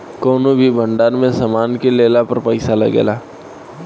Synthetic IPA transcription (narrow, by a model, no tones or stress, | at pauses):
koːnobʱibʱə̃ɳɖaːɾmẽsamaːnkeleːlapɐɾpəɪsalɐ̰ɡḛːlaː